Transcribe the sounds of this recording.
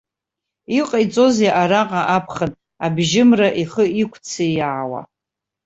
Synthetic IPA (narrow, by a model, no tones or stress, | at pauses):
iqʼajt͡sʼo̞zjaʔaɾaqʼaʔapʰχan | abʒɪmraʔiχəikʷʰt͡sʰejaːwa̰